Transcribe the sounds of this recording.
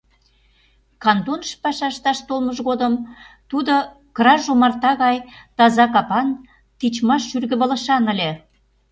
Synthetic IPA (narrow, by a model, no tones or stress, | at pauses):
kɑnd̪onʃpɑʃɑʃt̪ɑʃt̪olməʒɣod̪əm | t̪ud̪o | krɑʒomɑrt̪ɑɣɑjt̪ɑzɑkɑpɑn | t̪it͡ɕmɑʃːyrɣə̆βə̆lə̆ʃɑnə̆lʲe